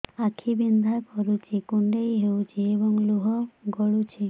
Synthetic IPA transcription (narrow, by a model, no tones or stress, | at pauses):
akʰibind̪ʱakɔɾut͡ʃʰikuɳɖejɦewt͡ʃʰiebɔŋluɦɔɡɔɭut͡ʃʰi